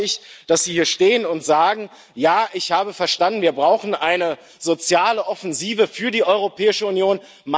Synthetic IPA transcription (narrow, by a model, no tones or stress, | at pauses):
ɪçd̥asz̥iːhiːɐʃteːənʊntz̥aːɡŋ̩ | jaːʔɪçhaːbəfɛɐʃtandn̩viːɐbʁaʊxn̩ʔaɪnə | zot͡sjaːləʔɔfɛnziːvəfyːɐdiːʔɔʏʁopʰɛːɪʃəunjoːn | ma